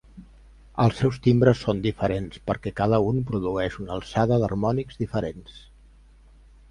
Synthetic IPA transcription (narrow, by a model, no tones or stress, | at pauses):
əlˠsːɛwst̪imbɾəsːond̪ifəɾenspəɾkɛkað̞əunpɾuðuɛʃunəlˠsaðəðə̰rmɔnikzðifəɾens